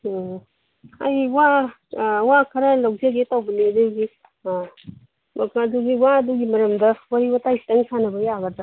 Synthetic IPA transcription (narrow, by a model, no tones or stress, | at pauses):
ajwa | wakʰaɾalawk̚zeɡetawbiliɐduɡi | mɐkaduɡiwaduɡimɐɾɐmdɐwaɾibatajsʰtɐŋsanɐbɐjaɡaza